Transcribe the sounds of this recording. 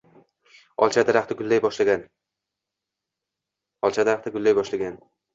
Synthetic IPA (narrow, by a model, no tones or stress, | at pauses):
ɒ̰lˠt͡ʃʰad̪aɾaχt̪ʰɪɡʊlˠːajbɒʃlaɡʲan | ɒlˠt͡ʃʰad̪aɾaχt̪ʰɪɡʊlːajbɒʃlaɡʲan